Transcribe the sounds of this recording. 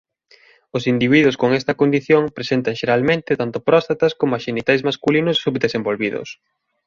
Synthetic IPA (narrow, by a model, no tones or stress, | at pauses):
ʊsind̪iβiðʊskoŋɛst̪ɐkond̪iθjoŋpɾesent̪ɐŋʃeɾalmẽnt̪ɪt̪ant̪ʊpɾɔst̪at̪ɐskomʊaʃenit̪ajzmaskulinʊsːubd̪esembolβiðʊ̰s